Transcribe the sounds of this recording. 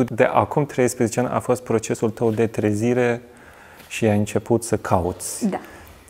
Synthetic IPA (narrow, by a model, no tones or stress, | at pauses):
d̪eʔakumt̪ɾe̞jspɾezet͡ʃeanʲʔa̰fo̞st̪̚pɾo̞t͡ʃe̞sult̪əwd̪e̞t̪ɾeziɾe̞ | ʃiaɨnt͡ʃe̞put̪səkʰaṵt̪sʲ